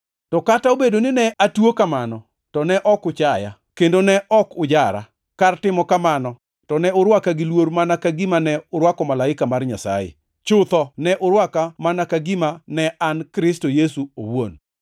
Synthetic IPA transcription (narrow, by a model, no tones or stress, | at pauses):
tɔkataobedonɪnɛʔatwokamanɔ | tɔnɛʔɔkʊt͡ʃaja̰ | kendonɛʔɔkʊd͡ʒaɾa̰ | kartɪmɔkamanɔ | tɔnɛʊɾwakaɡɪlwoɾmanakaɡimanɛʊɾwakɔmalaɪkamarɲa̰sa̰jɪ̰ | t͡ʃʊt̪ɔnɛʔʊɾwakamanakaɡɪmanɛʔankɾɪstojesuo̰wo̰n